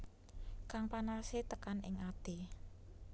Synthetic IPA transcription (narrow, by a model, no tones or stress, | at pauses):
kaŋpanaset̪əkanɪ̰ŋad̪̥e